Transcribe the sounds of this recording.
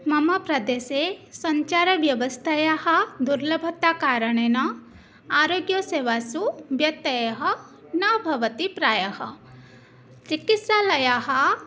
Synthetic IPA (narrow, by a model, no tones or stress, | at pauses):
mɐmɐpɾɐd̪eːsesɐɲt͡ʃaːɾɐʋjɐʋɐst̪ʰajaɦɐd̪uɾlɐbʱɐt̪ːaːkaːɾɐɳenɐ | aːɾoːɡjɐseːʋaːsubjɐt̪ːɐjɐɦɐ | nɐbʱɐʋɐt̪ipɾaːjɐɦɐ̰ | t͡ʃikit̪saːlɐjaːɦɐ